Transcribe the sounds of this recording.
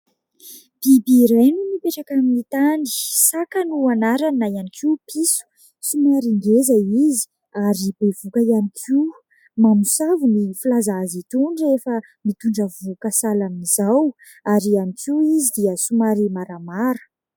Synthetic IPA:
b̥ibiɾejnumipeʈ͡ʂakaminit̪ani̥sakanuanaɾanajanikʰipʰisu̥ | sumaɾiŋɡezaizi̥ | aɾibevukəjanikʰi | mamusavunifilazaazit̪uɳɖ͡ʐefə | mit̪uɳɖ͡ʐəvukəsalamnizaw | aɾianikʰiizid̪iəsumaɾimaɾamaɾə̥

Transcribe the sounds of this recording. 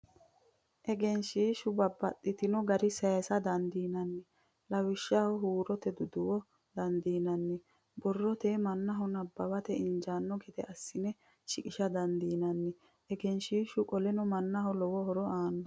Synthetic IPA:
ʔɛɡɛnʃiːʃʊbɐbːɐt̪ʼːɪt̪ɪnɔɡɐɾɪsɐjsɐd̪ɐnd̪iːnɐnːɛ | lɐwɪʃːahɔɦuːɾɔt̪ɛd̪ʊd̪ʊwɔ | d̪̥ɐnd̪iːnɐnːɛ | bɔrːɔt̪emɐnːɐɦɔnɐbːɐbɐt̪ɛɪnd͡ʒaːnːɔkɛt̪ɛɐsːɪnɛ | ʃɪkʼɪʃɐd̪ɐnd̪iːnɐnːɛ | ɛɡɛnʃiːʃʊkʼɔlɛnɔmɐnːɐhɔlɔwɔɦɔɾɔaːnɔ

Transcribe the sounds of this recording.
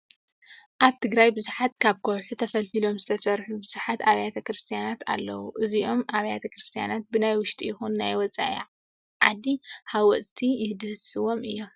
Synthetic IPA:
ʔaβt̪ʰɨɡɾajbɨzuħat̪̚kʰaβkʰowħut̪ʰɐfɐlfilo̞mzɨt̪ʰɐsɐɾħubɨz̥uħat̪aβajat̪ʰɐkɾɨst̪ʰijanat̪ʰa̰lːɐwuʔɨziʔo̞mʔaβajat̪ʰɐkɾɨst̪ʰija̰nat̪̚bɨnajwʊʃt̪ʰʼijɪxunːajwɔt͡sʼa̰ʔḭ | ʕa̰d̪ihawɔt͡sʼt̪ʰijɪhd̪ɨhɨsɨwo̞mɨjːo̞m

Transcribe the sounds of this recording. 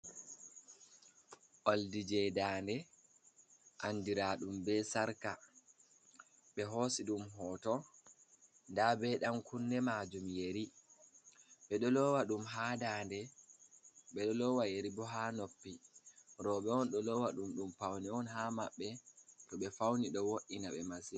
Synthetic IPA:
ʔoldid͡ʒɛdaːndɛ | ʔandiɾaɗumbɛsaɾka | ɓɛɦosiɗumɦɔːtɔ | ndabɛɗamkunːɛmad͡ʒumjeɾi | ɓɛɗɔlɔwaɗumɦaːdaːndɛ | ɓɛɗɔlɔwajeɾibɔɦanopːiɾɔɓɛɔnɗɔlɔwaɗumɗumpawnɛɔnɦamaɓːɛtɔɓɛfawniɗɔwoʔinaɓɛmasi

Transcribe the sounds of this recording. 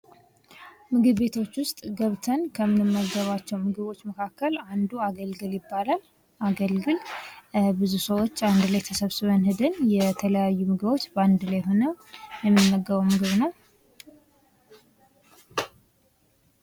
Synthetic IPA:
mɨɡɨβbe̞t̪ʰo̞t͡ʃːwʊst̪ʼɡəβt̪ʰənkʰəmɨnɨmːəɡːəβat͡ʃːɛwmɨɡɨβo̞t͡ʃːməkʰakːəland̪uaɡəlɡɨljɪbːalal | ʔaɡəlɡɨl | bɨzusəwo̞t͡ʃːand̪laejt̪ʰəsəβsɨβənhɨd̪ɨnjɛt̪ʰələjajːumɨɡɨβo̞t͡ʃːband̪ɨlajɦonəjɛmːɨnɨmːəɡːəβəwmɨɡɨβnəw

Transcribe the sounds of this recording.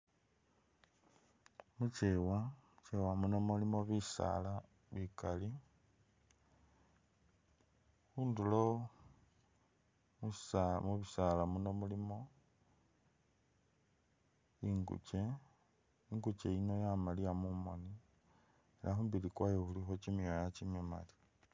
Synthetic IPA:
mut͡ʃewamut͡ʃewamunomulimo̞βisa̰la | βikali | huːndulo | musamuβisalamunomulimo̞ | iŋɡṵt͡ʃe̞ | iŋɡut͡ʃeino̞jamaliamumoni | elaxumbilikwajohulixot͡ʃimiojat͡ʃimema̰li̥

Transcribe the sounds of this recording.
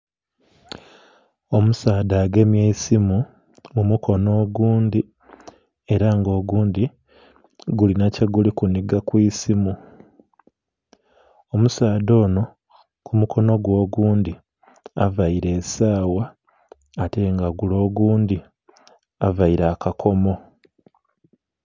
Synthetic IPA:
o̞musaːdaːɡe̞mjeisimu | mumukʰo̞no̞ːɡuːndi | e̞ɾaŋɡo̞ːɡuːnd̪i | ɡulinaceɡulikuniɡakwiːsimu | o̞musaːd̪o̞ːno̞ | kʰumukʰo̞no̞ɡwo̞ːɡuːnd̪i | avaiɾe̞ːsaːwaː | te̞ŋɡaɡulo̞ːɡuːnd̪i | avaiɾaːkakʰo̞mo̞

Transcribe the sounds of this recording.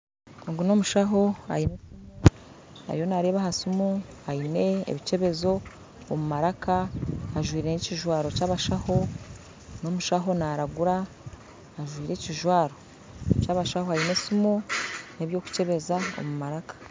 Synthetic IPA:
oŋɡuno̞muʃaɦo̞a̰jinesimo | na̰ɾijonaɾeːβaɦasumu | ajine̞̰ːβice̞βe̞zo̞ː | mumaɾakaːʒwiːɾe̞niciʒwaːɾo̞caːβaʃaho̞ | no̞muʃaɦo̞naɾaɡuɾaː | ʒwiːɾe̞ciʒwaːɾo | caːβaʃahoajinesumoneβjo̞ːku̥ce̞βe̞zao̰mumaɾakḁ

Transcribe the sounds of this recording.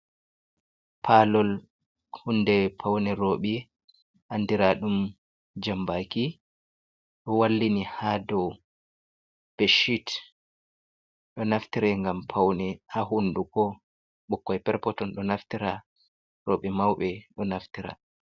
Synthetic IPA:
pʰalɔl | hunːdɛpʰawnɛɾoːɓi | ʔandiɾaɗum | d͡ʒambaki | ɗɔwalːinihadɔw | b̥eʃit | ɗɔnaftiɾɛŋɡampʰawnɛhaɦundukɔ | ɓɔkːɔjpɛɾpɔtɔnɗɔnaftiɾa | ɾoɓɛmawɓɛɗɔnaftiɾa̰

